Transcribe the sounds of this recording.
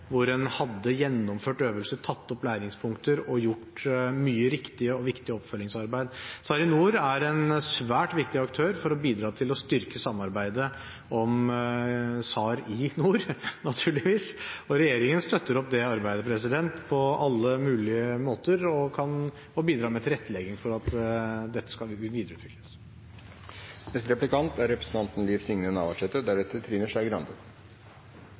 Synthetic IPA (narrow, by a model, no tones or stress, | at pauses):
ʋʊɾɛnhɑd̪ːəjɛnːɔmføːʈøːʋəlsəʈʰɑt̪ːɔplæːɾɪŋspʰʊŋkt̪əɾɔjʊʈmyːəɾɪkt̪ɪəɔʋɪkt̪ɪəɔpːfœlːɪŋsɑɾbæɪd̪sɑːɾɪnuːɾæɾɛnsʋæːʈʋɪkt̪ɪɑkt̪ʰøːɾfɔɾɔbiːd̪ɾɑːt̪ʰɪlɔst̪ʏɾkəsɑmːɑɾbæɪd̪ə | ɔm | sɑːɾɪnuːɾnɑt̪ʰʉːɭɪʋiːsɔɾɛjeːɾɪŋənst̪œt̪ːəɾɔpːd̪ɛɑɾbæɪd̪əpʰɾɛsɪd̪ɛnt̪pʰɔɑlːəmʉːlɪəmoːt̪əɾɔkʰɑn | ɔbiːd̪ɾɑːmɛt̪ʰɪlɾɛt̪ːəlɛɡɪŋfɔɾɑt̪d̪ɛt̪ːə̥skɑʋiːd̪ɾəʉːt̪ʋɪkʰlə̥s | nɛst̪ɾɛplɪkɑnt̪æɾɾɛpɾə̥sn̩t̪ɑnt̪n̩liːfsɪŋnənɑ̰ːʋɑʂɛt̪ːəd̪æɖɛt̪ːət̪ʰɾiːnəʂæɪɡɾɑnd̪ə